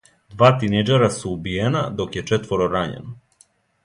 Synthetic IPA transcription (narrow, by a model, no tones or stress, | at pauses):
d̪ʋaːt̪inejd͡ʒeɾasuːbijenad̪o̞kjet͡ʃet̪ʋo̞ɾoɾaɲḛno